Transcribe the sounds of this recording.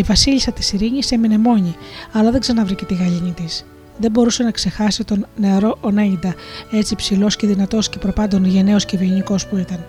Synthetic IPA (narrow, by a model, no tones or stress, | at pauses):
ivɐsiʎisɐt̪i̥siɾiɲise̞mine̞mo̞ɲiɐlɐðeɡzeɐnɐvɾice̞t̪iɣɐʎiɲit̪is | ðe̞bo̞ɾuse̞nɐkse̞xɐsit̪o̞nne̞ɾo̞ʔoneɲind̪ɐe̞t͡sipsilo̞sce̞ðinɐt̪o̞sce̞pɾo̞pɐnd̪o̞nʝe̞ne̞o̞sce̞vioɲiko̞spuit̪ɐn